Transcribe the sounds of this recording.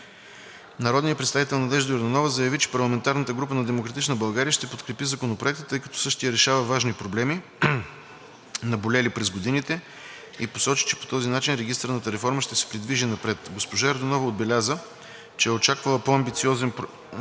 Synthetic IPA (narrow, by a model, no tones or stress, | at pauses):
nɐɾɔd̪nijəpɾɛt̪st̪avit̪ɛlˠnɐd̪ɛʒd̪ɛɾd̪onɔvəzɐjɐvit͡ʃɛ̥pɐɾlˠɐmɛnt̪aɾnət̪əɡɾup̬ənɐd̪ɛmokɾɐt̪it͡ʃnəbɐlˠɡaɾijəʃt̪ɛpot̪kɾɛpizɐkonopɾoɛk̚t̪ət̪ɤjkɐ̥t̪ɔ̥sɤʃt̪ijəɾɛʃavəvaʒnipɾoblɛmi | nɐbolʲɛlipɾɛzɡod̪init̪ɛ | iposɔt͡ʃi̥t͡ʃɛ̥po̥t̪ɔzinat͡ʃinɾɛɡʲist̪əɾnət̪əɾɛfɔɾməʃt̪ɛsɛ̥pɾid̪viʒinɐpɾɛt̪ɡospoʒaɛɾd̪onɔvɐod̪bɛlʲazə | t͡ʃɛɛot͡ʃakvəlˠəpoɐmbit̪siɔzɛnp